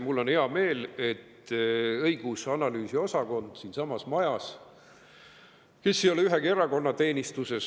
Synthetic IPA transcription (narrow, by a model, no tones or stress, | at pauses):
mulːo̞nhe̞ɑme̞ːle̞t̪ɤjɡ̥usɑnɑlyːsio̞sɑko̞nd̪̥siːnsɑmɑsmɑjɑs | ke̞sːioleyɦekeɾɑko̞nːɑt̪e̞ːnʲist̪use̞s